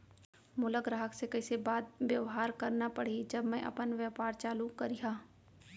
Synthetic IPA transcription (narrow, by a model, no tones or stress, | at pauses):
mʊləɡɾaɦəksekɐɪsebaːd̪̚ʋjɐʋɦaːɾkɐɾnapɐɽid͡ʒɐbmɛ̃ʔɐ̰pənʋjəpaːɾt͡ʃaːlukɐɾijaː